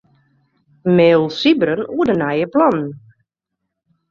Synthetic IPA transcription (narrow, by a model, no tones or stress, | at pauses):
meːlˠsibəɾənuədənajəplɔnn